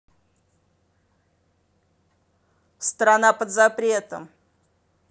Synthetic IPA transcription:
st̪ɾanapəd̪zapɾʲe̞t̪ə̰m

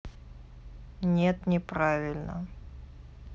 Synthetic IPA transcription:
nʲet̪nʲɪpɾavʲɪlʲnə̰

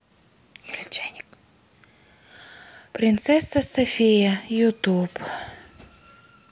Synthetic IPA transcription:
t͡ʃnʲk | pɾʲɪnt̪sɛsːɐsɐfʲejɐjʊt̪up

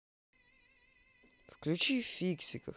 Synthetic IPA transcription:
fklʲut͡ʃifʲiksʲikə

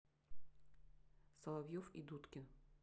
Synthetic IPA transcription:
sɐlˠɐvjofḭd̪ut̪kʲɪ

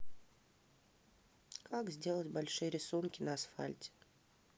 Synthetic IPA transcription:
kʰakzʲdʲe̞lˠətʲbɐlʲʂɨjəɾʲɪsunkʲɪnɐːsfa̰lʲtʲɪ̥

